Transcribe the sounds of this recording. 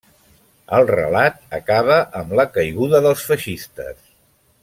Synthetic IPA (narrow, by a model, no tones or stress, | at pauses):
əlˠrə̰lat̪̚əkaβ̞əʔəmləkəjɣuðəðəlˠsfəʃist̪ə̰s